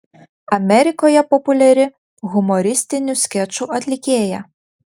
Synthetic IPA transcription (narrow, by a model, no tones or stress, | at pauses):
ɐmɛɾʲɪkɔjɐpɔpʊlʲɛɾʲɪ | ɣʊmɔɾʲist̪ɪnʲʊskʲɛt͡ʃʊʔɐt̪ʲlʲikʲɛjɐ